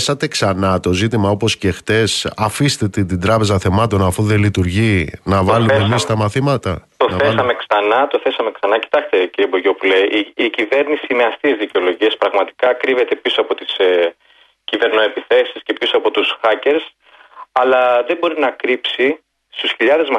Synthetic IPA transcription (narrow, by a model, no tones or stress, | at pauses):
sɐt̪e̞ksɐnɐt̪o̞zit̪imɐo̞posce̞xt̪e̞sɐfist̪et̪et̪id̪ɾɐpe̞zɐθe̞mɐt̪o̞nɐfuðe̞lit̪uɾʝinɐvɐlumemist̪ɐmɐθimɐt̪ɐt̪onesɐmeksɐnɐt̪o̞θe̞sɐme̞ksɐnɐci̥t̪ɐkst̪e̞ciɾieboʝo̞pule̞iicive̞ɾnisiimeɐst̪iezðiceo̞lo̞ʝie̞spɾɐɣmɐt̪i̥kɐkɾive̞t̪e̞pisoɐpo̞t̪is | cive̞ɾnoe̞piθe̞si̥sce̞pisoɐpo̞t̪usxɐce̞ɾs | ɐlɐðe̞bo̞ɾinɐkɾipsi | st̪usçiʎɐðe̞zmɐ